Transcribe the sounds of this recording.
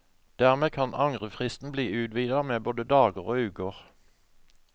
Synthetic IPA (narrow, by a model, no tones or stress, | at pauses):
d̪̥æːʁmeːkʰɑnʔɑŋʁəfʁɪst̪n̩bliːʉːd̪ʋiːd̪ɑmeːboːd̪əd̪ɑːɡəʁoːʉːkəʁ